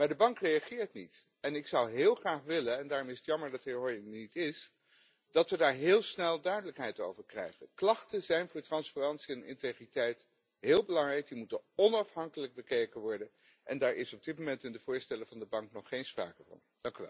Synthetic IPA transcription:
maːɹdəbɑŋkrejɑχɪːɹtnit | ɛnɪksʌwɦɪːlˠχraːχʋɪlənɛndaːɹɾɔmɪsətjɑməɹdɑtɦɪːɹɦɔjɪŋnitɪs | d̥ɑtʋədaːɹɦɪːlˠsnɛlˠdœɥdələkɦɛjto̰wvəɹkrɛ̰jχənklɑχtənzɛjnvʊːɹtrɑnsparɑntsiɛnɪ̰ntejχritɛjt | ɦɪːlˠbəlɑŋrɛjk̚dimutənɔnɑfɦɑŋkələɡ̚bəkejkənʋɔɹdən | ʔɛ̰ndaːɹɪsɔb̚dɪt̚mowmɛntɪndəv̥ʊːɹstɛləvɑndəbɑŋknɔχːejnspra̰ːkəvɑ̰n | d̥ɑŋkyʋɛ̰lˠ

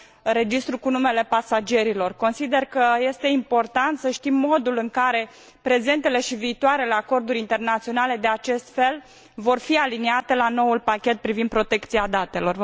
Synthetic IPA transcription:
ɾe̞d͡ʒist̪ɾukunume̞le̞pasad͡ʒe̞ɾilo̞rko̞nsid̪e̞rkəje̞st̪e̞impo̞rt̪ant̪səʃt̪imːo̞d̪ulɨŋkaɾe̞ | pɾe̞ze̞nt̪e̞le̞ʃiviːt̪oaɾe̞le̞ako̞rd̪uɾʲint̪e̞rnat̪sio̞nale̞d̪e̞at͡ʃe̞st̪fe̞l | vo̞rfialineat̪e̞lano̞ulpakʲe̞t̪̚pɾivind̪̚pɾo̞t̪e̞kt̪siad̪at̪e̞lo̞r

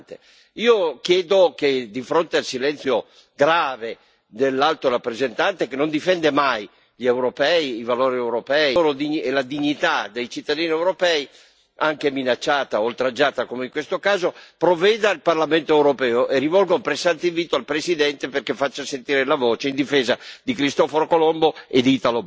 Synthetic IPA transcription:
t̪e | iːokjɛːd̪oked̪ifɾont̪ealsilɛnt̪sjo | ɡɾaːve | d̪elːalt̪oɾapːɾezent̪ant̪ekenond̪ifɛnd̪emaj | ʎewɾopɛiivaloːɾiɛwɾopɛilod̪iɲelad̪iɲːit̪ad̪ejt͡ʃit̪ːad̪iːniewɾopɛi | aŋkeminat͡ʃːaːt̪aolt̪ɾad͡ʒaːt̪akomeiŋkwest̪okaːzopɾovɛːd̪ailparlament̪oewɾopɛːoʔerːivɔlɡaumpɾesːant̪eiɱviːt̪oalpɾesid̪ɛnt̪eperkefat͡ʃːasent̪iːɾelavɔːt͡ʃeind̪ifeːzad̪ikɾist̪ɔfoɾokolomboed̪iːt̪alob

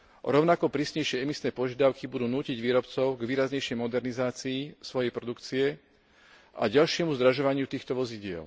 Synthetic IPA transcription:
ɔ̰ɾɔʊnakɔpɾiːsɲɛjʃɪɛɛmisnɛːpɔʒɪad̪aʊkibud̪uːnuːciɟʋiːɾɔpt͡sɔʊɡʋiːɾazɲɛjʃɛjmɔd̪ɛɾnizaːt͡siːsʋɔjɛjpɾɔd̪ukt͡siɛ | ʔa̰ɟalʃɪɛmuzd̪ɾaʒɔʋaɲɪut̪iːxt̪ɔʋɔziɟɪɛ̰l

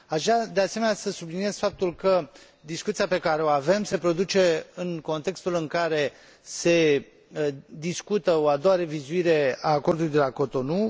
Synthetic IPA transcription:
aʒad̪ease̞me̞nʲasəsublinije̞z̥fap̚t̪ulkə | d̪iskut̪siape̞kaɾe̞o̞ave̞mse̞pɾo̞d̪ut͡ʃe̞ɨŋko̞nt̪e̞kst̪ulɨŋkaɾe̞ | se̞ | d̪iskut̪əoad̪owaɾe̞vizuiɾe̞aːko̞rd̪uluijd̪e̞lako̞t̪o̞nu

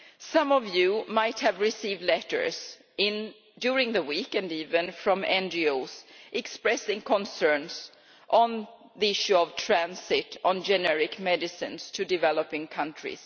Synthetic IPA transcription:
sʌ̃mɔvjʉmaɪt̚hɨvɹɪsivdlɛɾə̰˞z | ɪ̃n | dʊɹɪ̃ŋðəwikɨ̃ndivɨ̃nfɹɔ̃mɛ̃nd͡ʒioʊsʔɛkspɹɛsɪ̃ŋkʰə̃nsɜ̃˞ns | ʔn | ðiɪʃʉɔv̥tʰɹ̥æ̃nsɪɾn̩d͡ʒɛnɛɹɪkmɛdɨsɪ̰̃nstʰɨdɨvɛləpɪ̃ŋkʰʌ̃ntɹ̥ɪ̰s

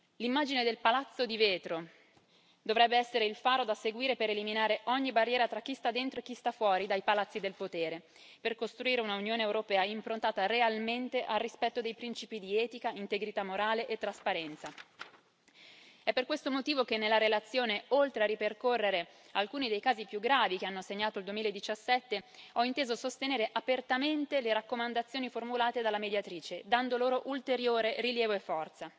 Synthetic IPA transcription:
limːaːd͡ʒined̪elpalat̪sːod̪iveːt̪ɾo | d̪ovɾɛbːeɛsːeɾeilfaːɾod̪aseɡwiːɾepeɾeliminaːɾeʔɔɲːibarːjɛːɾat̪ɾakːist̪ad̪ːent̪ɾoek̟ːist̪afwɔːɾid̪ajpalat̪sːid̪elpot̪eːɾe | perkost̪ɾuiːɾeunaunjoːneewɾopɛːaimpɾont̪aːt̪arealment̪eʔarːispɛt̪ːod̪ejpɾint͡ʃiːpid̪iɛːt̪ikaint̪eɡɾit̪amːoɾaːleʔet̪ːɾaspaɾɛnt̪sa | ɛpːerkwest̪omot̪iːvok̟enːelːaɾelat̪sːjoːneolt̪ɾearːiperkorːeɾe | alkuːnid̪ejkaːzipjuɡɾaːvikeanːoseɲːaːt̪oald̪wemilaed̪ːit͡ʃasːɛt̪ːeɔint̪eːzosost̪eneːɾeʔapert̪ament̪eleɾakːomand̪at̪sːjoːniformulaːt̪ed̪alːamed̪jat̪ɾiːt͡ʃed̪and̪oloːɾoʔult̪eɾjoːɾeriljɛːvoefːɔrt̪sa

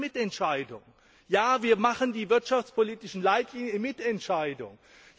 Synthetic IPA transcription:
mɪtɛntʃaɪdʊ̰ŋ | jaːviːɐmaχəndiːvɪɐtʃaft͡spʰoliːtɪʃn̩laɪtʰliːnjəmɪtɛntʃaɪdʊ̰ŋ

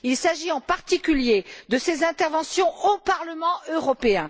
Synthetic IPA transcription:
ilsaʒiɑ̃paʁt̪ikʲyljed̪əsezɛ̃t̪ɛʁvɑ̃sjɔ̃opaʁləmɑ̃øʁɔpeɛ̃

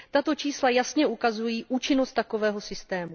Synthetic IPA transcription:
t̪at̪o̞t͡ʃiːslajasɲɛukazujiːʔuːt͡ʃɪnost̪ːako̞vɛːɦo̞sɪst̪ɛːmu

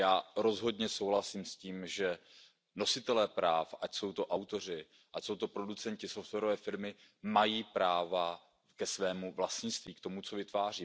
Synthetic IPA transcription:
jaːɾo̞zɦo̞dɲɛso̞wɦlasiːmsciːmʒɛ | no̞sɪt̪ɛlɛːpɾaːfacso̞wt̪o̞ʔawt̪o̞r̝ɪ | ʔacso̞wt̪o̞pɾo̞dut͡sɛnɲcɪso̞ft̪vɛːɾovɛːfɪɾmɪmajiːpɾaːva | kɛsvɛːmuvlast̪ɲɪst̪viːkt̪o̞mut͡so̞vɪt̪vaːr̝iː

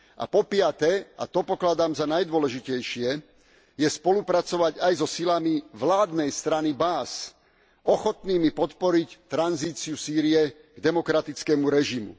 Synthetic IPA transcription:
ʔa̰pɔpɪat̪ɛa̰t̪ɔpɔklad̪aːmzanajd̪ʊɔlɛʒicɛjʃɪɛ | jɛspɔlupɾat͡sɔʋaɟajzɔsilamiʋlaːd̪nɛjst̪ɾanibaːs | ɔxɔt̪niːmipɔt̪pɔɾict̪ɾanziːt͡siusiːɾiɛ | ɡ̥d̪ɛmɔkɾat̪it͡skɛːmuɾɛʒimṵ

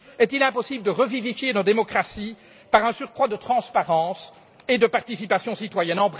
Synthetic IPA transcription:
ɛt̪ilɛ̃pɔsibləd̪əʁəvivifjenod̪emɔkχasi | paʁɛ̃syʁkχwad̪ət̪χɑ̃spaʁɑ̃ːs | ed̪əpaʁt̪isipasjɔ̃sit̪wajɛnɑ̃bʁ

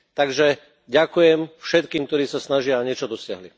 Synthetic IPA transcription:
t̪aɡʒɛ | ɟakujɛmfʃɛt̪kiːmkt̪ɔɾiːsasnaʒɪaɲɪɛt͡ʃɔd̪ɔsɪaɦli

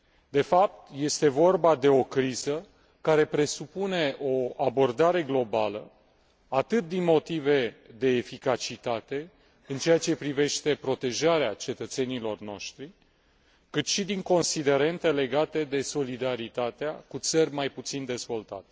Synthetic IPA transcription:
d̪e̞fap̚t̪je̞st̪e̞vo̞rbad̪e̞o̞kɾizə | kaɾe̞pɾe̞supune̞ʔo̞abo̞rd̪aɾe̞ɡlo̞balə | at̪ɨt̪̚d̪inmo̞t̪ive̞d̪e̞ːfikat͡ʃit̪at̪e̞ | ɨnt͡ʃe̞jat͡ʃe̞pɾive̞ʃt̪e̞pɾo̞t̪e̞ʒaɾeat͡ʃe̞t̪ət̪se̞nilo̞rno̞ʃt̪ɾi | kɨt̪ʃid̪iŋko̞nsid̪e̞ɾe̞nt̪ele̞ɡat̪e̞d̪e̞so̞lid̪aɾit̪at̪eakut̪sərʲmajput̪sind̪e̞zvo̞lt̪a̰t̪e̥

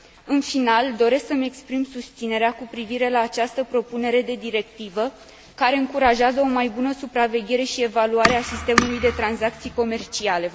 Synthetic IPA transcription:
ɨnfinald̪o̞ɾe̞sksəme̞kspɾimsust̪sine̞ɾeakupɾiviɾe̞laːt͡ʃast̪əpɾo̞pune̞ɾe̞d̪e̞d̪iɾe̞k̚t̪ivə | kaɾe̞ɨŋkuɾaʒeazəo̞majbunəsupɾave̞ɡʲe̞ɾe̞ʃie̞valuaɾeasist̪e̞mulujd̪e̞t̪ɾanzak̚t̪sijko̞me̞rt͡ʃiale̞

